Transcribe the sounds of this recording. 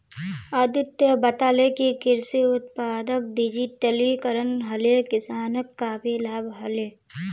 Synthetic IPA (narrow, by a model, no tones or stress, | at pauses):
ɐd̪ɪt̪jəbɐt̪aːlekikɪɾsiʊt̪̚paːd̪ək̚d̪id͡ʒit̪ɐlikɐɾənɦɐlekɪsaːnəkːaːpiːlaːbɦɐleː